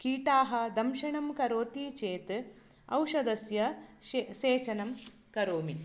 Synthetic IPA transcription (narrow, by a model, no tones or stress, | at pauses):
kiːʈaːɦɐ̆d̪ɐmʃɐɳɐmkɐɾoːt̪iːt͡ʃeːt̪ | ɐ̰wʃɐd̪ɐsjɐ | ʃeːt͡ʃɐnɐm | kɐɾoːmi